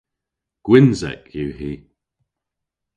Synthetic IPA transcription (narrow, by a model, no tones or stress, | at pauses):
ɡ̥wɪnzɛ̰kʰjuːɦiː